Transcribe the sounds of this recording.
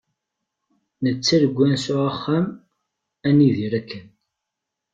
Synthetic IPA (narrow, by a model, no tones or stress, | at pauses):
nət͡sːæðəɡʷːænsʊʕəχːæm | æniðiɾækːən